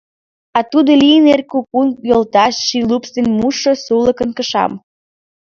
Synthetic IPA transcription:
ɑt̪ud̪olijənerkukunjolt̪ɑʃːilupst̪enmuʃosuləkənkəʃɑ̰m

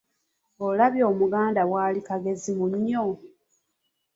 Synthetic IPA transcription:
olaβjo̞ːmuɡaːndawaːlikaɡe̞zimuɲo

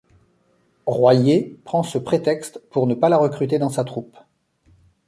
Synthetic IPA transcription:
ʁwajepχɑ̃səpχet̪ɛkst̪puʁnəpalaʁəkχyt̪ed̪ɑ̃sat̪χup

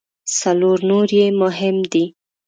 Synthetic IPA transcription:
saloɾnoɾjemʊɦɪmd̪i

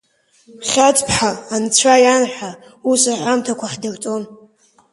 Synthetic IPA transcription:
χʲatʰʼpʰħaːnt͡ɕʷʰajanħʷa | usaʕʷamtʰakʷaχʲdawt͡sʼon

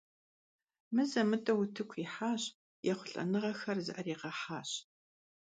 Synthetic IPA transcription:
mɨzɐmɨtʼɐwʊtʰɨkʷʰiħaːɕ | jʔɛχʷʊɬʼɐ̰nɨʁɐxɐrzɨ̰ʔɐriːqɐħaːɕ

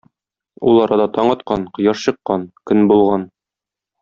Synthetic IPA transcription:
ulˠɒɾɑd̪ɑt̪ɒɴɑt̪qɑnqŏjɑʃɕɤ̆qːɑnkɵnbulˠʁɑn

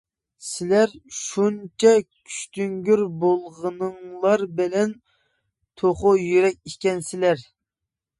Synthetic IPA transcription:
sɪlæɾʃunt͡ʃʰɛkʲʰy̥ʃt̪yŋɡʲyɾbolˠʁənɨŋlˠɑɾbɪlɛn | t̪ʰoχʊjyɾɛk̚ʲikʲɛnsɪlæɾ

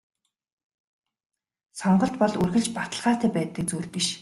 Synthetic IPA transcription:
sɔɴɢɞ̆ɬt̪̚pɔɮɵrɣɘ̆ɮt͡ɕpat̪ə̆ɮʁaːt̪æːpæːt̪ə̆k̚t͡suːɮpiʃ

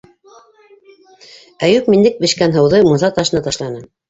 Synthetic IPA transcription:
æjʉpmind̪ɘk̚bɘ̆ʃkænɦɤ̆wðɤmuθɑt̪ɑʃɤnɑt̪ɑʃlˠɑnɤ

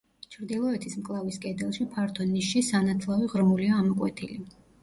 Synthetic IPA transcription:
t͡ʃʰɾd̪ilˠɔɛt̪ʰismkʼlˠaviskʼɛd̪ɛlˠʃipʰaɾt̪ʰɔniʃisanat̪ʰlˠaviʁɾmuliaːmɔkʼwɛ̰t̪ʰili

